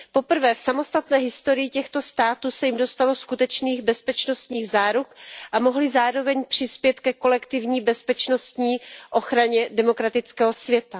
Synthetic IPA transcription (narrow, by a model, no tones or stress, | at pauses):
po̞pr̩vɛːfsamo̞st̪at̪nɛːɦɪst̪o̞ɾɪjɪcɛxt̪o̞st̪aːt̪uːsɛjɪmdo̞st̪alo̞skut̪ɛt͡ʃniːɣbɛspɛt͡ʃno̞st̪ɲiːɣzaːɾukʔamo̞ɦlɪzaːɾo̞vɛɲpr̝̥ɪspjɛt̪kɛko̞lɛkt̪ɪvɲiːbɛspɛt͡ʃno̞st̪ɲiːʔo̞xɾaɲɛdɛmo̞kɾat̪ɪt͡skɛːɦo̞svjɛt̪a